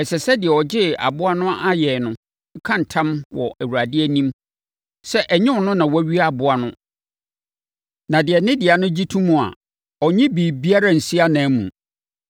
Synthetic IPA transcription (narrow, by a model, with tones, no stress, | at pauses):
ɛ˨sɛ˨sɛ˦dɪ˨ɛ˨ɔ˨d͡ʑɪ˦a̰˨bʊ˦a˦nʊ̃˦a˦jɛ˨nʊ̃˦ | ŋ̩˦kʰã˦n˨tʰã˦mwɔ̰˨ʔæ˨wu˨ɾa˨dɪ˦ɛ˦nĩ˦m | sɛ˦ʔɛ˨ɲɪ̃˦˨nʊ̃˦nã˨wɔ˦ɥi˦a˨bʊ˦a˨nʊ̃˦ | nã˨dɪ˨ɛ˨nɪ̃˦dɪ˨a˨nʊ̃˦d͡ʑi˦tʰũ˦mũ˨a̰˨ | ɔ˨ɲɪ̃˦biː˨bi˦a˦ɾa˦n̩˨si˦a˦nã˨˦mṵ̃˨